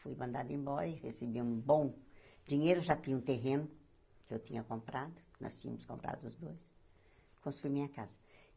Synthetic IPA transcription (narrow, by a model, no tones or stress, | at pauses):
fujmɐ̃nd̪ad̪ʊẽbɔɾɐihesebiũbõw̃d͡ʒĩɲejɾʊʒat̪ẽɲɐũt̪eɦẽnʊ | kɪewt̪ĩɲɐkõmpɾad̪ʊnɔ̰st͡ʃĩɲɐmʊskõmpɾa̰d̪ʊʊzd̪ojs | kõst̪uimĩɲɐkazɐ